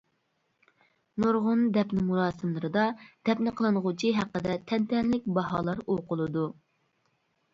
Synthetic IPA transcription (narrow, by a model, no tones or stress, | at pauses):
noɾʁʊnd̪ɛpnɪmulɑːsɨmlˠɨɾɨd̪ɑd̪̥ɛpnɨqʰəlˠɨnʁʊt͡ʃʰiɦæqːəd̪ɛt̪ʰɛnt̪ʰɛnlɪk̚ʲbɑɦɑ̰ːlˠɑɾoqʊlˠɨd̪u